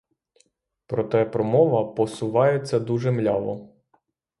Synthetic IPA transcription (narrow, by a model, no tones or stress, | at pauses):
pɾɔt̪ɛpɾɔmɔʋɐpɔsʊʋɑjet͡sʲːɐd̪uʒɛmlʲɑʋˠɔ